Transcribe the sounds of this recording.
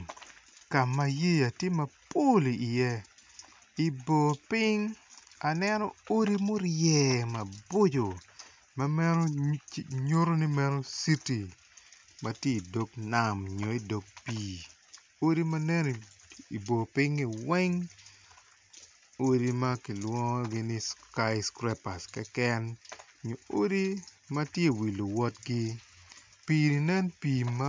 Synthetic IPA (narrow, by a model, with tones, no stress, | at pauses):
ka˨ma˦je˦a˨tje˦mɐ˨po˦li˨i˨jɛ˦ | i˨bo˨pɪ˦ŋa˨nɛ˦nɔ˦o˦ɾi˦mo˦ɾjɛ˨mɐ˨bo˦d͡ʒo˨ | ma˦mɛ˦no˦ | ɲo˦ɾo˦ni˦mɛ˦no˦si˦ti˨ | mʔɐ˨tje˦i˨do˨˦kna˨mɲo˨˦i˦do˨k̚piː˨ | o˦di˦mɐ˦nɛ˦n˨i˨bo˨pɪ˦ŋɪ˨wɛ˦ŋ | o˦di˦mɐ˦kɪ˨lwɔ˦ŋ˦ɡɪ˦nɪ˦ska˦jskɾɛ˦pa˨skɛ˦kɛ˦n | ɲo˨o˦di˦mɐ˦tje˦˨wi˨lːo˨wɔ˦tɡɪ˦ | piː˨ni˨nɛ˦npiː˨ma˦